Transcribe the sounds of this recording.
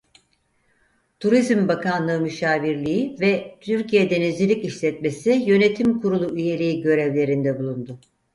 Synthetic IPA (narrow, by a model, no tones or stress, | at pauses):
t̪ʰuɾizmbakʰanlˠɯɯmyʃaːviɾlʲijivɛt̪ʰyɾcijɛd̪e̞nizʲilʲiciʃlʲɛt̪me̞sijø̞ne̞t̪ʰimkʰuɾulˠuyje̞lʲijiɟø̞ɾɛvlʲe̞ɾind̪ɛbulˠund̪ʊ